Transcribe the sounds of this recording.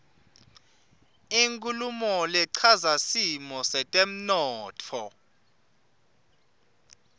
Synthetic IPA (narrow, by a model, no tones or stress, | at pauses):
iŋkʼulumɔlɛǀʰazasimɔsɛtʼem̩nɔːtʰɔ